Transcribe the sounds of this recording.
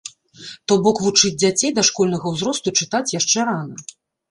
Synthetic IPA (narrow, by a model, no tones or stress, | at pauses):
t̪ɔbɔkvut͡ʂɨd͡zʲd͡zʲat͡sʲejd̪ɐʂkɔlʲnɐɣɐwzɾɔst̪ut͡ʂɨt̪at͡sʲjaʂt͡ʂɛɾanɐ